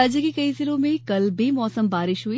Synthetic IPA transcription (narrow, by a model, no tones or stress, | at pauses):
d͡ʒkikɐisɪlõmẽkɐlbʱimɔːsəmbaːɾɪʃɦuiː